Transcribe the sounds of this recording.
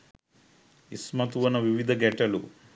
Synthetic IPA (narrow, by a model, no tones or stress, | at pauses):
ismɐt̪uʋɐnɐʋiʋid̪ʱɐɡɛʈɐlu